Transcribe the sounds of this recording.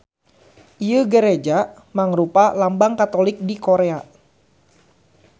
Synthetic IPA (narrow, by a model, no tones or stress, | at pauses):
ʔijəɡəɾed͡ʒa | maŋɾupalambaŋkat̪olɪk̚dikoɾea